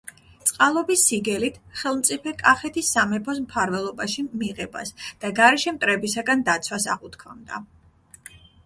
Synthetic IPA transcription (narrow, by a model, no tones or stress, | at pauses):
t̪sʼqʼalˠɔbisːiɡɛlit̪ʰχɛlˠmt̪sʼipʰɛkʼaχɛt̪ʰisːamɛpʰɔsmpʰaɾvɛlˠɔbaʃimiʁɛba̰sd̪̥aɡaɾɛʃɛmt̪ʼɾɛbisaɡand̪at̪sʰwasa̰ʁut̪kʰɔnd̪a̰